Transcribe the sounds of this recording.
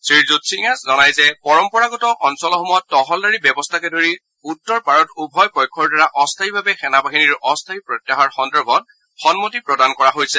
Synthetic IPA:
sɹiɹzutsiŋaszɔnajzɛpɔɹɔmpɔɹaɡɔtɔʔɔnsɔlɔxɔmɔjɔtːɔɦɔldaɹibɛbɔstʰakɛdoɹi | utːɔɹpaɹɔtubʱɔjpɔjkʰːɔɹdaɹaʔɔstʰaibʱabɛxɛnabaɦiniɹɔstʰaipɹɔtjaɦaɹxɔndɔɹbʱɔt | xɔnmotipɹɔdankɔɹaɦojsɛ

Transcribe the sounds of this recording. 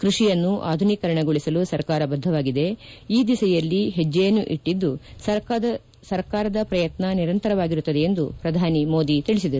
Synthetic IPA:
kɾuʂijɐnːuʔaːd̪ʱunikɐɾɐɳɐɡoɭisɐlusɐɾkaːɾɐbɐd̪ʱːɐʋaːɡid̪e̞iːd̪isɐjɐlːiɦed͡ʒːeːnuʔiʈːid̪ːusɐɾ | sɐɾkaːɾɐd̪ɐpɾɐjɐt̪nɐniɾɐnt̪ɐɾɐʋaːɡiɾut̪ːɐd̪eend̪upɾɐd̪ʱaːnimo̞ːd̪it̪iɭisid̪ɐɾu

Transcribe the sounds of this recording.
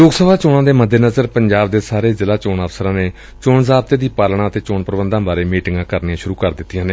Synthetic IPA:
loːɡsəbʱaːt͡ʃoːnãːd̪eːməd̪ʱːeːnəzəɾpəɲd͡ʒaːbd̪eːsaːɾeːzɪlaːt͡ʃoːnəfsəɾãːneː | t͡ʃoːɳzaːb̚t̪eːd̪iːpaːlɳãːət̪eːt͡ʃoːɳpəɾbənd̪ãːbaːɾeːmiːʈɪŋɡãːkəɾniãːʃʊɾuːkəɾd̪ɪt̪ːijãːneː

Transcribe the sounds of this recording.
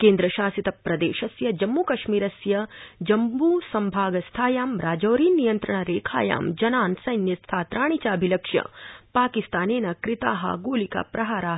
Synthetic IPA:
keːnd̪ɾɐʃaːsit̪ɐpɾɐd̪ḛːʃɐsjɐd͡ʒɐmːuːkɐʃmiːɾɐsjɐd͡ʒɐmbuːsɐmbʱaːɡɐst̪ʰaːjaːmɾaːd͡ʒɐːɾiːnijɐnt̪ɾɐɳɐɾeːkʰa̰ːja̰ːmd͡ʒɐnaːnsɐjnjɐst̪ʰaːt̪ɾaːɳit͡ʃaːbʱilɐkʂjɐ̰paːkist̪aːneːnɐkɾɪt̪aːɦɐ̰ɡoːlika̰pɾɐɦaːɾaːɦ

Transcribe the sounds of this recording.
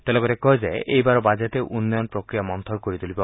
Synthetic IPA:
t̪elɔɡɔɾekɔɦed͡ʒeejbaɾɔbad͡ʒet̪eʔunːɔjɔnpɾokɾijamɔnt̪ʰɔɾkoɾit̪ulibɔ

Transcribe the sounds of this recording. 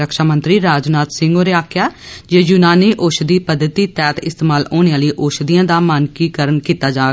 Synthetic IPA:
əkʃaːmə̃nt̪ɾiːɾaːd͡ʒnaːt̪sɪ̃ŋɡoːɾeːaːkʰjaːd͡ʒeːjuːnaːniːʔoːʃd̪iːpəd̪ːət̪iːt̪ɛːt̪ɪst̪eːmaːloːnejãːləiːʔoːʃd̪ijãːd̪aːmaːnkiːkəɾənkiːt̪aːd͡ʒaː

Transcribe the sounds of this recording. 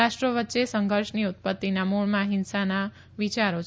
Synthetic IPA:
aʃʈɾəʋətːʃesəŋɡʱəɾʃniut̪̚pət̪ːinamuɭmãɦɪnsana | ʋit͡ʃaɾo

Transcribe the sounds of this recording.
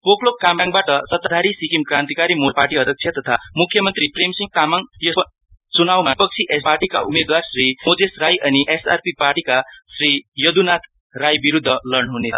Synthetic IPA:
poklokkamaŋbaʈʌsʌt̪ːʌd̪ʱaɾisikimkrãnt̪ikaɾimoparʈiʌd̪ʱʌk̚t͡sʰjʌt̪ʌt̪ʰamukʰːjʌmʌnt̪ripremsiŋ̚t̪amaŋjʌ | t͡sunawmapʌk̚t͡sʰiʔesparʈika̰umed̪warsrimod͡zesrajʔʌniʔesa̰rpiparʈikasrijʌd̪unat̪ʰ | rajbiɾud̪ʱːʌlʌɳɦune

